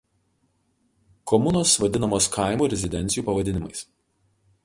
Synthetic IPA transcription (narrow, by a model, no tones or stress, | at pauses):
kɔmʊnoːsʋɐd̪ʲɪnɐmoːskʰaˑɪmuːɾʲɛzʲɪd̪ʲɛnʲt̪sʲjuːpɐʋɐd̪ʲɪnʲɪmɐɪs